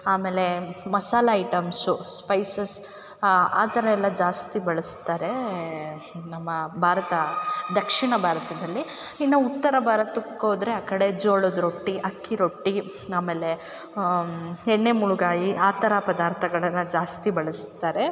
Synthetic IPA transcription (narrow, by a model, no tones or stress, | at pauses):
aːme̞ːle̞mɐsaːlɐɐjʈɐmsuspɐjsɐs | aːt̪ɐɾɐɛlːɐd͡ʒaːst̪ibɐɭɐst̪ːaːɾe̞ | nɐmːɐbʱaːɾɐt̪ɐd̪ɐkʂiɳɐbʱaːɾɐt̪ɐd̪ɐlːi | inːɐut̪ːɐɾɐbʱaːɾɐt̪ukoːd̪ɾeaːkɐɽe̞d͡ʒoːɭod̪ɾoʈːiʔɐkʰːiɾoʈːi | aːme̞ːle̞ | ɛɳːe̞muɭuɡaːjiʔaːt̪ɐɾapɐd̪aːɾt̪ʰɐɡɐɭɐnːɐd͡ʒaːst̪ibɐɭɐst̪ːaːɾe̞